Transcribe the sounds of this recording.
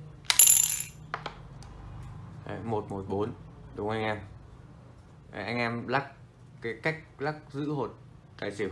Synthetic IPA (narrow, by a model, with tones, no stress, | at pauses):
mo˨˩t̚mo˨˩t̚ɓo˨˦nɗʊ˨˦ŋ͡mʔa˧jŋ̟ʔɛ˧m | ʔʔa˧jŋ̟ʔɛː˧mla˦˥kː | a˨˦ka˦˥jk̚la˦˥k̚zɨ̰˧˥ho˨˩t̚ | k̪a̰ː˧˩jse˧˩